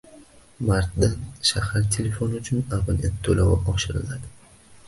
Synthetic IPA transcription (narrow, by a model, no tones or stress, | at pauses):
maɾt̪̚d̪anʃahaɾt̪ʰe̞le̞fo̞nʊt͡ʃʰʊnabaniat̪ʰːolawaɒʃɪɾɪ̰lad̪ɪ